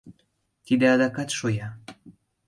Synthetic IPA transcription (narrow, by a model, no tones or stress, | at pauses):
t̪id̪eɑd̪ɑkɑt̪ʃojɑ